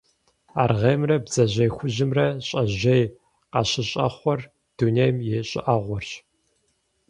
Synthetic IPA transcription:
aːrʁeːmrɐbzɐʑɐjxʷʊʑɪmrɐɕʼɐʑej | qɑɕɪɕʼɐ̰χʷɔr | d̥unejmjeɕʼɪ̰ʔaʁʷɔrɕ

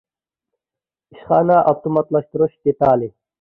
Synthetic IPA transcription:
iɕχaːnaʔɐp̚t̪umɐt̪lɐɕt̪ɾoɕt̪it̪aːli

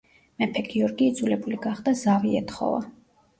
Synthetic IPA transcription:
mɛpʰɛɡiɔɾɡiːd̪zulɛbuliɡaχd̪azaviɛ̰t̪χɔ̰va̰

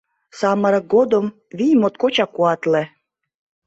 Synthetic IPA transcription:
sɑməɾɤ̆k̚ɡod̪om | vʲijmot̪kot͡ɕɑkuɑt̪lĕ

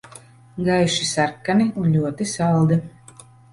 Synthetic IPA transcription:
ɡajʃisaɾkːaniunlʲuɔt̪isalˠd̪i

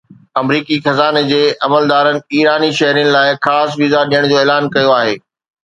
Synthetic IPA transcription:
ɐmɾiːkixɐzaːned͡ʑeːʔɐməld̪aːɾənɪ̆iːɾaːniʃɐɦɾijnɪ̆laːɪxaːsʋizaɗijəɽ̃d͡ʑoːeːlaːnkɐjoaːɦḛː

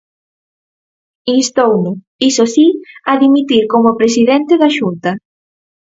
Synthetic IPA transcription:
inst̪ownʊ | isosiaðimit̪iɾkomopɾes̬iðɛnt̪eðaʃunt̪ɐ

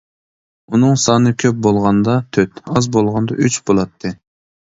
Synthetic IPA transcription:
unɨŋsɑːnɨkʲʰøp̚bolˠʁɑnd̪ɑt̪ʰøt̪ɑzbolˠʁɑnd̪ɑ̰ʔyt͡ʃbolˠɑt̪ʰːɨ

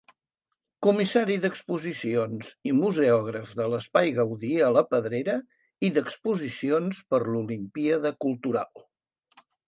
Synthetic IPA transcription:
kumisaɾiðəkspuzisionzimuzɛɔɣ̞ɾəfðələspajɣəwðiələpəðɾeɾə | iðəkspuzisionspəɾlulimpiaðəkulˠt̪uɾa̰lˠ

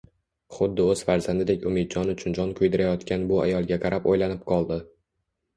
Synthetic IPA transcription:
χʊd̪ːɪɵz̥faɾzand̪ɪd̪ekʲʊmed̪̚d͡ʒɒnʊt͡ʃʰʊnd͡ʒɒnkʰʊjd̪ɪɾajɒt̪kʲʰanbʊajɒlˠɡʲaqɑɾapojlanɪp̚qʰɒlˠd̪ɪ

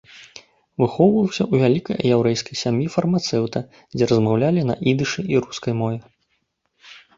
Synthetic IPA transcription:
vɨxɔwvɐwˠsʲɐuvʲalʲikɐ̰jjɛwɾɛjskɐjsʲamjifɐrmat̪sɛwt̪ɐ | d͡zʲɛɾɐzmawlʲalʲinɐ̰ʔid̪ɨʂɨʔiɾuskɐjmɔvʲɛ

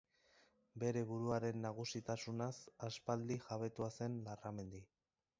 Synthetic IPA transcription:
be̞ɾe̞βuɾuaɾe̞nːaɣ̞usit̪asunasaspald̪iʝaβ̞e̞t̪uase̞nlarame̞nd̪i

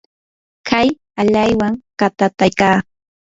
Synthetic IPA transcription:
kʰaj | aʎajwaŋkat̪at̪ajkaː

